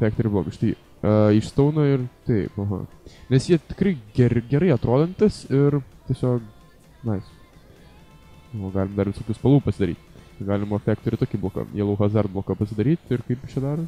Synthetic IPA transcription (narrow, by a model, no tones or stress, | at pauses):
fʲæːk̚t̪ʲoːɾʲɪblˠo̰ːkɐʃt̪ɐɪ | ɐɪʃst̪ɐʊnɐɪrt̪ɐɪpɐɦɐ̰nʲɛsjiɛt̪ʲɪ̥kɾɐɪɡʲɛɾɡʲɛɾɐɪɐt̪ɾoːd̪ɐnt̪ɐsɪrt̪ʲiɛsʲoːk | nɐɪs | oːɡɑːlʲɪmd̪ɐɾʋʲɪsoːkʲuːspɐlˠuːpɐsʲɪd̪ɐɾʲḭːt̪ʲɡɑːlʲɪmɐfʲæːkt̪oːɾʲɪt̪oːkʲiblˠoːkɐ̰jiɛlˠɐʊɦɑːzd̪ɐɾt̪̚blˠoːkɑpɐsʲɪd̪ɐɾʲiːt̪ʲɪɾkɐɪpɪʃt͡ʃʲɛd̪ɑːɾ